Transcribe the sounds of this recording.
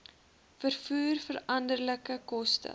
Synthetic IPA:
fərfuːrfəɾɐndərləkəkɔstə̰

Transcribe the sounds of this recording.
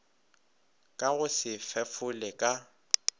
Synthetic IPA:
kʼaɣʊsɪfɛfʊlɛkʼa

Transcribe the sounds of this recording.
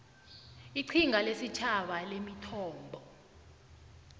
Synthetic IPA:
iǀʰiŋalesit͡ʃʰaɓalemitʰɔːmbʱɔ

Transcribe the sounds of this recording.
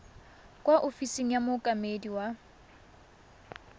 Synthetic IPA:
kʼwaʔofiseŋ̩jamʊkʼamediwa

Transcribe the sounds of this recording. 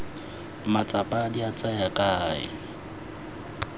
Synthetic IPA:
mat͡sʼapʼadiat͡sʼajakʼaːɪ̰

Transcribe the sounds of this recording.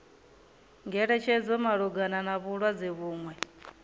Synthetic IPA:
ŋɡɛɺɛt͡ʃʰɛd͡zɔmaɺuɡananaβuɺwad͡zɛβuːŋwɛ

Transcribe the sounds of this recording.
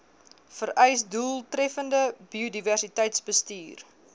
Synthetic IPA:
fəɾɛjsdulˠtrɾɛfəndəbiodiværsitəjtsbəstiːr

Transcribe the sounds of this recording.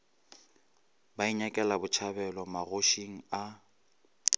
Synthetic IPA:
baiɲakʼɛlabʊt͡ʃʰabɛlɔmaɣoʃiŋ̩a

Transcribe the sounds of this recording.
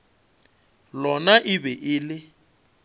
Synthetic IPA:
lɔnaʔɪbɛʔɪːlɪ

